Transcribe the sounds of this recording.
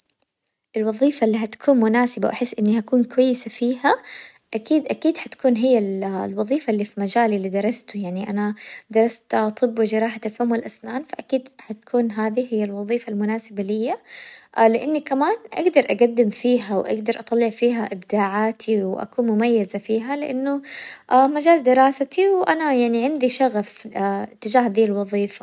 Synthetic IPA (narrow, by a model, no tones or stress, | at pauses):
ʔɪlwɑðˤiːfalːiːɦat̪ḁkʰuːnmʊnaːsɪbawʔaħɪsːʔɪnːihakuːnkwajːɪsafiːha | ʔakiːd̪ʔakiːd̪ħat̪kuːnɦɪjːallwɑðˤiːfaʔlːifimad͡ʒaːlilːiːd̪ɑɾˤɑst̪ʊjaʕniʔanad̪ɑɾˤɑst̪t̪ʰˤɨbːwɪd͡ʒɑɾˤɑːħat̪afamːalʔasnaːnfaʔakiːd̪ħat̪ḁkʰuːnɦaːðihɪjːalwɑðˤiːfalmʊnaːsɪbalɪjːa | lɪʔɪnːikamaːnʔa̰ɡd̪ɑɾˤʔaɡad̪ːɪmfiːɦawʔa̰ɡd̪ɑɾˤʔɑt̪ˤɑlːɪʕfiːɦaʔɪbd̪aːʕaːt̪ʰiwʔa̰kuːnmʊmajːazafiːɦalɪʔanːʊʔamad͡ʒaːld̪ɪɾˤɑːsat̪iwʔanajaʕniʕɪnd̪iʃaɣafɪt̪ːɪd͡ʒaːhðiːlwɑðˤiːfa